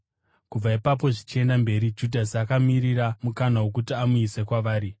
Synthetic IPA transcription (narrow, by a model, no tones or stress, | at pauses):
kub͡vaipap̬o̞ʐit͡ʃie̞ndambe̞ɾid͡ʒudʱasiakamiriramukanawo̞k̬utiamuise̞kwaʋaːɾi